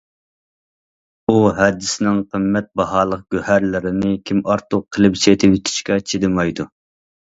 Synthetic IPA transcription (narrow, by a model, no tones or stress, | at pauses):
uɦɛd̪ːɪsɪnɪŋqʰəmːɛt̪̚bɑɦɑːlˠəq̚ɡ̥ʲøhæɾlɪɾɪnɪkʲʰimɑɾt̪ʰʊqʰːəlˠɨpset̪ʰɪpit̪ʰɪ̥ʃkʲɛt͡ʃʰed̪ɪmɑjd̪u